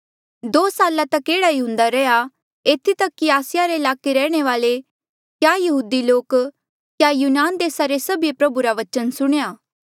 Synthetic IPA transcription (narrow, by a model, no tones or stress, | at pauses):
d̪oːsaːlat̪ɐkːeːɽaiũnd̪aɾɛja | eːt̪ʰit̪ɐkːiaːsɪjaɾeɪlaːkeɾɛːɽ̃eʋaːle | kjajɐɦuːd̪iloːk | kjajuːnaːnd̪eːsaɾesɐbijepɾɐbuɾaʋɐt͡ʃənsʊɽ̃ejaː